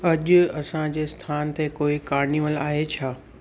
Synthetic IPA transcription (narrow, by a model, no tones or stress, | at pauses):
ɐʄʊ̆ɐsãd͡ʑeːst̪ʰaːnt̪ekoːikaːɾniʋəlaːɦet͡ɕʰaː